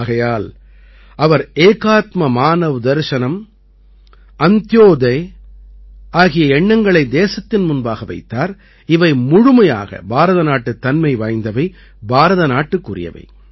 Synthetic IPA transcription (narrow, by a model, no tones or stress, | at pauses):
ɣɐjaːl | ɐʋɐɾeːkaːt̪mɐmaːnɐʋɯd̪ɐɾʂɐnɐm | ɐnt̪joːd̪ɐɪ | aːɣɪjɐɛɳːɐŋɡɐɭɐɪd̪eːsɐt̪ːɪnmʊnbaːɣɐʋɐ̰ɪt̪ːaːɾ | ɪʋɐɪmʊɻʊmɐja̰ːɣɐ̰bʱaːɾɐðɐnaːʈːɯt̪ːɐnmɐɪʋaːjnd̪ɐʋɐɪ | bʱaːɾɐðɐnaːʈːɯkːʊrɪ̰jɐ̰ʋɐ̰ɪ